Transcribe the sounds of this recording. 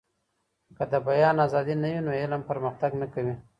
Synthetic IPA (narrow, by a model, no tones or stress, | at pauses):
kəd̪əbajɑnazɑd̪inajunoɪlampəɾməxt̪aɡnakawi